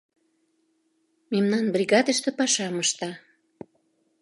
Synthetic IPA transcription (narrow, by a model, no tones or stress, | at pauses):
memnɑnbrʲiɣɑd̪əʃt̪ə̆pɑʃɑməʃt̪ɑ